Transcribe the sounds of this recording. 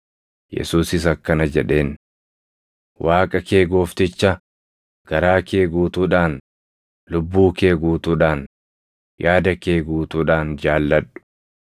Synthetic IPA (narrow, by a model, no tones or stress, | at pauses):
jɛ̰suːsɪs̬ɐkːɐnɐd͡ʒɛᶑe̞ːn | wʔaːkʼɐke̞ːɡo̞ːft̪ɪt͡ʃːɐ | ɡ̥ɐɾaːkeːɡuːt̪uːᶑaːn | lʊbːuːke̞ːɡuːt̪uːᶑaːn | jaːd̪ɐke̞ːɡuːt̪uːᶑaːnd͡ʒaːlːɐᶑʊ̥